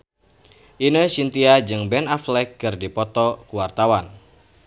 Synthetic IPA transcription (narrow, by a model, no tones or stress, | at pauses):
ʔinəsint̪iad͡ʒɨŋbɛnaflɛkːɨrdipɔt̪ɔkuwart̪awan